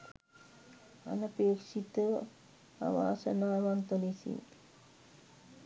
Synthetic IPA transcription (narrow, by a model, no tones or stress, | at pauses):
a̰nəpeːksit̪əʋ | a̰ʋa̰ːsənaːʋant̪ənisḭn